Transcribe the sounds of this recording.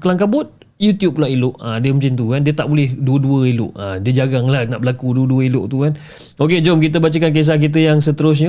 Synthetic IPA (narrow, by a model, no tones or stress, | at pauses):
kəlaŋkabʊt̪̚ | jut̪jup̚laʔilʊʔadiəmũɲt͡ʃint̪ukandiət̪aʔbolɛhduəduəilʊ̰ʔadiəd͡ʒaɡaŋlahna̰ʔbəlakuduəduəilʊʔt̪ukan | oked͡ʒɔmkit̪̬əbat͡ʃəkank̬es̬ahk̬it̪̬əjaŋsət̪əɾʊs̬ɲə